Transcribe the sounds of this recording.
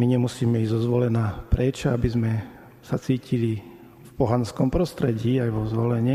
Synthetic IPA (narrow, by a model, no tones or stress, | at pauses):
miɲɛmusiːmɛizzɔzʋɔlɛnaːpɾɛt͡ʃabizmɛ | sat͡siːcili | fpɔɦanskɔmpɾɔst̪ɾɛɟiːajʋɔzʋɔlɛɲɛ